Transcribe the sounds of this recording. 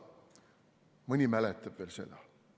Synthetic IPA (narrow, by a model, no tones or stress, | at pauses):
mɨnʲimælɛt̪ːˑɑb̥veːlsḛd̪ɑ